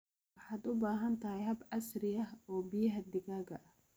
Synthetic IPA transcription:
wɑħɑːd̪ʊbaːɦɐnt̪ʰɐɦɛjɦɐbɐsrɪjɐhɔːbɪjɐɦɐd̪ɪɣaːɡɐ̰ʔɐh

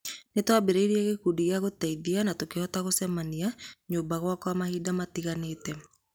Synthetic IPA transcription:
netwabeɾeiɾiɛɣekudiɣaɣotaiðianatokehɔtaɣosɛmaniaɲoːmbaɣwakwamahiːdamatiɣaneːtɛ

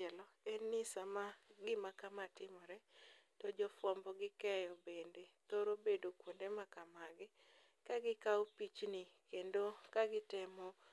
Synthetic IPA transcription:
ɛlɔɛnɪsamaɡɪmakamatɪmɔɾɛtɔd͡ʒɔfwɔmbɔɡɪkɛjɔbendet̪oɾobedokwondemakamaɡɪ | kaɡɪkawopit͡ʃnikendokaɡɪtɛmɔ

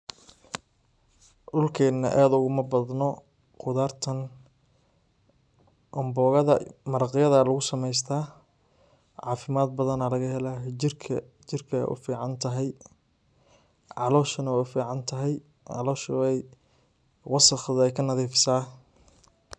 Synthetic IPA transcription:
ʔʊlkʰɛːnːɐ̰ʔaːd̪ʊɣʊmɐbɐd̪nɔ | qʊðaːrt̪ʰɐn | ʔɔmbɔːɣɐðɐ̰mɐɾɑqɪjɐðɐlɐɣʊsɐmɛjs̬t̪ʰaː | ʕɑːfɪmaːd̪̚bɐðɐnalɐɣɐɦɛlaːɦɪrkʰɐ | t͡ʃɪrkʰɐɛ̰jʔʊ̰fiːʕɑnt̪ʰɐɦɛj | ʕɑlɔːʃɐnɐɛfiːʕɑnt̪ʰɐɦɛj | ɑ̰lɔːʃɛj | wɑsɑχɐðɛjkʰɐnɐðiːfɪ̥saː

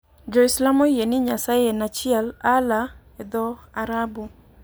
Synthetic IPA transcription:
d͡ʒɔɪslamojenɪɲasajenat͡ʃɪɛlala | ed̪ɔaɾabu

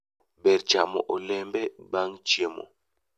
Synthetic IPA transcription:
bɛɾt͡ʃamɔʔolɛmbɛbaŋt͡ʃiemɔ̰

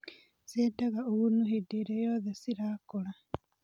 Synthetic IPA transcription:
sedaɣaoɣunuhideɾejoðesiɾaːkola

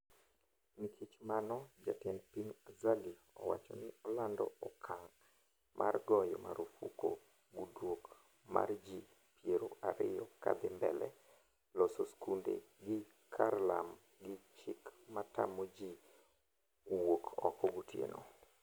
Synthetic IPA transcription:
mikʰit͡ʃmanɔd͡ʒatɛnpiɲazali | ɔ̰wa̰t͡ʃɔnɪɔlandɔ̰ɔkʰaŋ | mʔa̰rɡɔjɔma̰ɾofuko̰ | ɡudwok | ma̰rd͡ʒi | pjeɾoʔaɾɪjɔka̰d̪ɪmbɛlɛ | lɔsoskundḛ | ɡɪ | kʰarlam | ɡɪt͡ʃɪkmatamod͡ʒi | wokʰɔkɔɡutjḛnʔo̰

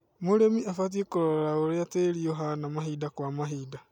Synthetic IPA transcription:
moɾemiafat̬ekoɾɔɾaoɾeateɾioɦanamaɦiːdakwamaɦiːda

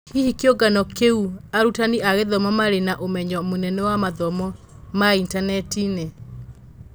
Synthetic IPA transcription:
ihikjoɡanɔkeuaɾutaniaɣeðɔmɔmaɾenaʔomɛɲɔmonɛnɛwamaðɔmɔ | maintanɛtine

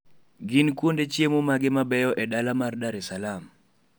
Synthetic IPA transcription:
ɡɪnkwondet͡ʃjemomaɡɪmabɛjɔʔɛdalamardaɾɛsalam

